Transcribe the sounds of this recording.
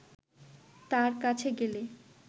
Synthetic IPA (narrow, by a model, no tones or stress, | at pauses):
t̪aɾkat͡ɕʰeɡele